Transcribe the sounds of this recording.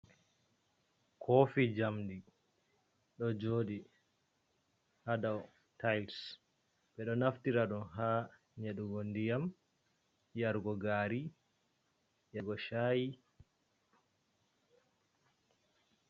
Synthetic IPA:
kʰofid͡ʒamdi | ɗɔd͡ʒoːdi | hadaw | tajls | ɓɛɗɔnaftiɾaɗɔnɦaː | ɲeɗuɡɔndijam | jaɾɡɔɡaːɾi | jaɡɔʃaːji

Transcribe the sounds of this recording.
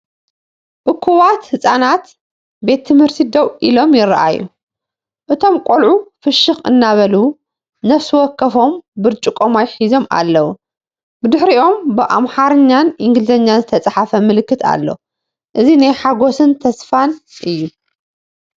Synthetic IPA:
ʔɨkʰːuβat̪hɨsʼanat̪ | be̞t̪ʰːɨmhɨɾt̪ʰid̪ɐwʔilo̞mjɪɾːɐ̰ʔa̰jːu | ʔɨt̪ʰo̞mkʼolʕufɨʃːɨxɨ̰nːaβɐlu | nɐfsɨwɔkːɐfo̞mbɨɾt͡ʃʼɨkʼomajħizo̞ma̰lːɐwu | bɨd̪ɨħɾiʔo̞mbɨʔa̰mħaɾɨɲːanʔiŋɡlɨzɐɲːanzɨt̪ʰɐt͡sʼaħafɐmɨlɨkːɨt̪ʰa̰lːo | ʔɨzinajħaɡo̞sɨnt̪ʰɐsfanʔɨjːu

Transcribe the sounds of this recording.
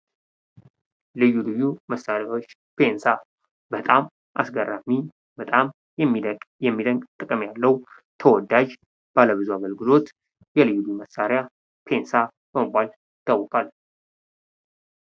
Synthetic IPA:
lɨjːulɨjːuməsːaɾjawot͡ʃː | pʰe̞nsa | bət̪ʼam | ʔa̰sɡərːami | bət̪ʼam | jɛmːid̪əkʼjɛmːid̪əŋɡt̪ʼɨkʼəmjalːəw | t̪ʰəwɔd̪ad͡ʒ | b̥aləβɨzuaɣəlɡɨlo̞t̪ | jɛlɨjːulɨjuməsaɾja | pʰe̞nsa | b̥əməbːal | ɪt̪ʰəwːkʰʼal

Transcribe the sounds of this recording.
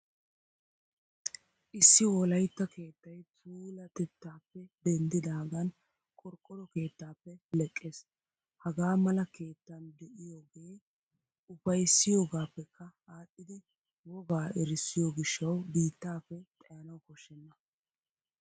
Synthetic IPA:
ʔɪsːɪwɔlɐjt̪ːɐke̞ːt̪ːɐjt͡sʼuːlɐt̪ɛt̪ːaːpːɛd̪ɛnd̪ɪd̪aːɡɐn | kʼɔɾkʼːɔɾɔke̞ːt̪ːaːpːɛlɛkʼːeːs | hɐɡaːmɐlɐke̞ːt̪ːɐnd̪ɛʔɪjoːɡeː | ʊfɐjsːɪjo̞ːɡaːpːɛkʰːɐaːɗːɪd̪ɪ | wɔɡaːɛɾɪsːɪjoːɡɪʃːɐwbiːt̪ːaːpːɛt̪ʼɐjɐnɐwkɔʃːɛnːɐ

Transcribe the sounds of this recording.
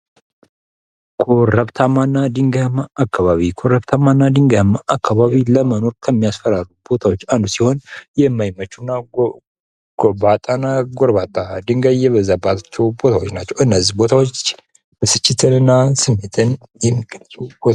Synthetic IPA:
kʰoɾəβt̪ʰamanːad̪ɨŋɡaamaakːaβaβikʰo̞ɾəβt̪ʰamːanːad̪ɨŋɡajmaʔakʰːaβaβiləməno̞ɾkʰəmːijasfəɾaɾubo̞t̪ʰawot͡ʃːand̪usiho̞njɛmːajmət͡ʃːunːa | ɡ̥obat̪ʼanaɡoɾβat̪ʼad̪ɨŋɡajɛβəzabat̪at͡ʃːɛwbo̞t̪ʰawot͡ʃːnat͡ʃːɛwɨnːəzibo̞t̪ʰawot͡ʃː | bɨsɨt͡ʃːɪt̪ʰɨnɨnːasɨmːet̪ʰɨn | jɛmːiɡʼəlzubo

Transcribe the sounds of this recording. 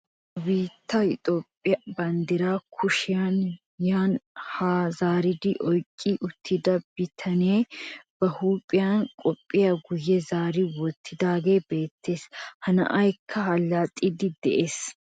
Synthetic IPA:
biːt̪ːɐɪt̪ʼo̞ːpʼːɪjɐbɐnd̪ɪɾaːkʰʊʃɪjan | jaːnhaːzaːɾɪd̪ɪʔɔjkʼːɪʔʊt̪ʰːɪd̪ɐb̥ɪt̪ʰɐneːb̥ɐhuːpʼɪjankʼɔpʼːɪjɐɡʊjːɛzaːɾɪwɔt̪ʰːɪd̪aːɡe̞ːbe̞ːt̪ʰːe̞ːshɐnɐ̰ʔɐjkʰːɐɦɐlːat̪ʼɪd̪ɪd̪ɛʔe̞ːs

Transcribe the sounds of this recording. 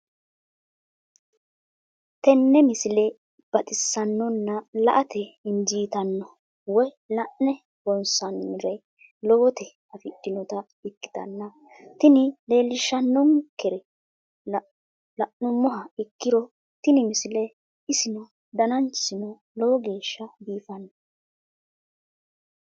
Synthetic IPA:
t̪ɛnːɛmɪsɪlɛ | b̥ɐt̪ʼɪsːɐnːɔnːɐlɐʔɐt̪ʰɛɪnd͡ʒiːt̪ɐnːɔ | wɔj | lɐʔnɛ | bɔnsɐnmɪɾɐj | lɔːt̪ɛ | ɐfɪdːɪnɔt̪ɐ | ɪkːɪ̥t̪ɐ̰nːɐ | t̪ɪnɪle̞ːlːɪʃːɐnːɔŋkɛɾɛ | lɐʔnʊmɔɦɐɪkːɪɾɔ | t̪ɪnɪmɪsɪlɛ | ɪsɪnɔ | d̪ɐnɐnt͡ʃsɪnɔ | lɔɔɡe̞ːʃːɐbiːfɐnːɔ

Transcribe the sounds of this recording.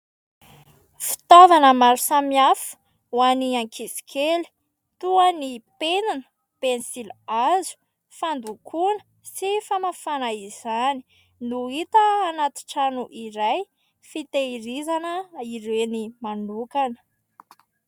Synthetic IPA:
fi̥t̪ovanəmaɾusamiafu̥ | waniaŋkisi̥kʰeli̥ | t̪uanipenanə̥ | pensilazu̥ | fand̪ukʰunə̥ | sifamafanaizani̥ | nuit̪əːnat̪i̥ʈ͡ʂanuʔiɾaj | fit̪eiɾizanəiɾenimanukanə̥

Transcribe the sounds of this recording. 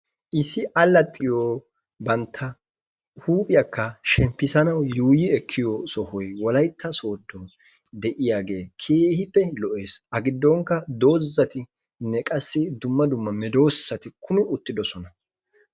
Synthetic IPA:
ʔɪsːɪʔɐlːɐt̪ʼːɪjoː | bɐnt̪ʰːɐ | huːpʼɪjɐkːɐʃɛmpːɪsɐnɐwjuːjɪɛkʰːɪjɔsɔhɔjwɔlɐjt̪ːɐso̞ːd̪ːɔ | d̪ɛʔɪjaːɡe̞ːkʰeːhɪpːɛlɔʔe̞ːsɐɡɪd̪ːɔŋkːɐd̪o̞ːzːɐt̪ɪ | nɛkʼɐsːɪd̪ʊmːɐd̪ʊmːɐmɛd̪o̞ːssɐt̪ɪkʰʊmɪʊt̪ːɪd̪ɔsɔnɐ

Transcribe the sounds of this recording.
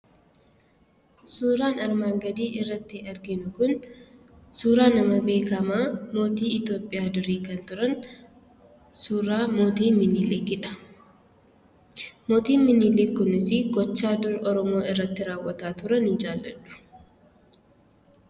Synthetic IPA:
suːɾaːnɐɾmaːŋɡɐd̪iːʔɪrːɐt̪ːɪɐɾɡɪnʊkʊn | suːɾaːnɐmɐbe̞ːkɐmaːmo̞ːt̪iːɪt̪jo̞ːpʼːɪjaːd̪ʊɾiːkɐnt̪ʊɾɐn | suːɾaːmo̞ːt̪iːmɪniːleːɡɪᶑɐ̥ | moːt̪iːmɪnːiːleːkʊnɪsɪɡɔt͡ʃːaːd̪ʊɾɔɾɔmo̞ːɪrːɐt̪ːɪɾaːwːɐt̪aːt̪ʊɾɐnhɪnd͡ʒaːlːɐ̰ᶑʊ̥

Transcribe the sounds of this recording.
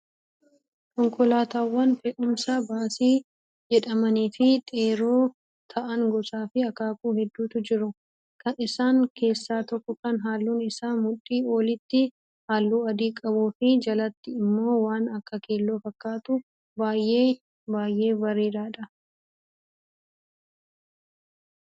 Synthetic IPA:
kɔŋkɔlaːt̪aːwːɐnfɛʔʊmsaːbaːsiː | d͡ʒɛᶑɐmɐniːfɪt̪ʼeːɾo̞ː | t̪ʰɐʔɐŋɡɔsaːfɪɐkaːkuːhɛd̪ːuːt̪ʊd͡ʒɪɾʊ | kɐnɪsaːŋkʰe̞ːsːaːt̪ɔkːɔkɐnɦaːlːuːnɪsaːmʊᶑːiːo̞ːlɪt̪ːɪ | haːlːuːɐd̪iːkʼɐbuːfɪd͡ʒɐlɐt̪ːɪɪmːo̞ːwaːnɐkːɐke̞ːlːo̞ːfɐkːaːt̪ʊ | baːjʔeː | baːjʔe̞ːbɐɾeːɾaːᶑɐ

